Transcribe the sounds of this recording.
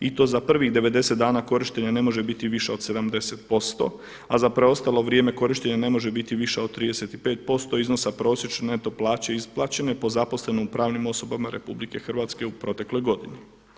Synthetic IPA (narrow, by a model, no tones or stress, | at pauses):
it̪o̞ːzapr̩ʋiɣd̪e̞ʋe̞d̪e̞se̞t̪d̪aːnako̞ɾiʃt̪eɲane̞mo̞ʒe̞bit̪iʋiʃeo̞d̪se̞d̪amd̪e̞set̪̚po̞st̪o̞̰ | azapɾe̞o̞st̪alo̞ʋɾjeme̞ko̞ɾiʃt̪eɲane̞mo̞ʒe̞bit̪iʋiʃeod̪̚t̪ːɾiːd̪ese̞t̪ipe̞ːt̪̚po̞st̪o̞iznosapɾo̞ːsjet͡ʃenet̪o̞plˠaːt͡ɕe̞isplˠat͡ɕe̞ne̞po̞zapo̞sle̞noupɾaːʋnimo̞so̞bamaɾepublike̞xr̩ʋaːt̪ske̞upɾo̞t̪e̞klo̞jɡo̞d̪ini